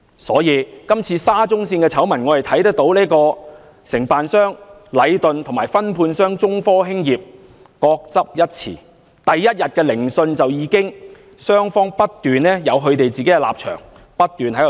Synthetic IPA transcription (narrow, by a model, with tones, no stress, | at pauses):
sɔː˨˥jiː˨˧kɐ˥mt͡sʰiː˧saː˥t͡sʊ˥ŋsiː˧nkɛː˧t͡sʰɐ˨˥wmɐ˨˩nŋɔː˨˧hɐ˨jt̪ʰɐ˨˥jt̪ɐ˥k̚t̪o˨˥wliː˥kɔː˧ | sɪ˨˩ŋpaː˨nsœː˥ŋ | lɐ˨˧jt̪ɵ˨nt̪ʰŋmaː˨˩jfɐ˥npʰuː˧nsœː˥ŋt͡sʊ˥ŋfɔː˥ɦɪ˥ŋjiː˨p̚ | kɔː˧k̚t͡sɐ˥p̚jɐ˥t̚t͡sʰḭː˨˩ | t̪ɐ˨jːɐ˥t̚jɐ˨t̚kɛː˧lɪ˨˩ŋsɵ˧nt͡sɐ˨wjiː˨˧kɪ˥ŋ | sœː˥ŋfɔː˥ŋpɐ˥t̚t̪yː˨nɛː˥jɐ˨˧wɦɵ˨˧ɥt̪e˨jt͡siː˨ke˨˥jɛː˧la̰ː˨p̚t͡ʃʰœ̰ː˨˩ŋ | pɐ˥t̚t̪yː˨nɦɐ˨˥j